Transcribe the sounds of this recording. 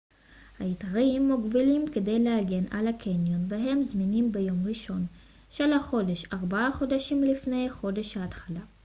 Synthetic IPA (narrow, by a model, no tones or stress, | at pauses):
haitaʁimːuɡbilimkede̞jlehaɡe̞nʔalakʰenjo̞nveɦe̞mzminimbejo̞mʁiʃo̞n | ʃelaχo̞deʃaʁbaaχo̞daʃimlifne̞jχo̞de̞ʃhaːtχala